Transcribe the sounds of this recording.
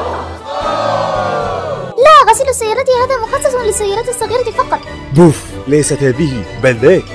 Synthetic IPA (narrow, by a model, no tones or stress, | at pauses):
laːɣasɪlʊsːajːɑːɾˤɑːt̪ɪhaːðaːmʊxɑsˤːɑsˤlɪsːajːɑːɾˤaːt̪ɑsˤːɑɣiːɾɑt̪ɪfɑqɑt̪ˤ | buf | lajsat̪haːðɪhɪbalːe